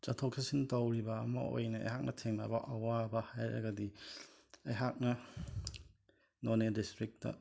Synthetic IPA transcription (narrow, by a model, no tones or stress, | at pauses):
t͡ʃɐtʰokʰɐsintɐwɾibɐːmɐ̰ʔo̰jnɐɐ̰jɦak̚nʔɐtʰeŋnabɐʔɐwabɐhajɾɐ̰ɡɐdi | ɐjɦak̚nɐ | nonedistɾik̚tɐ̰